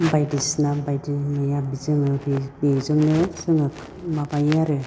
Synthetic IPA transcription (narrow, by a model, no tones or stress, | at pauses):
bajdisnabajdinɯjabizɯmɯbibezɯŋnɯsɯŋɯk | mabajaɾɯ